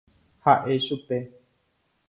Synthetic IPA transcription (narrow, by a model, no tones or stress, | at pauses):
haʔeʃupe